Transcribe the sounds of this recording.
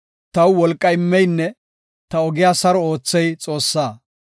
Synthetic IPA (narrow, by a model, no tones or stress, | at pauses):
t̪ɐwwɔlkʼːɐjɪmːɛjnːɛ | t̪ɐɔɡɪjaːsɐɾɔoːt͡sːɛjt͡sʼo̞ːsːaː